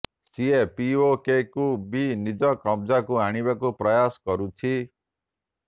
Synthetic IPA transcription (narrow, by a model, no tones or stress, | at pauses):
siepiokekubinid͡ʒɔkɔmd͡ʒakuaɽ̃ibakupɾɔjasɔ̥kɔɾut͡ʃʰi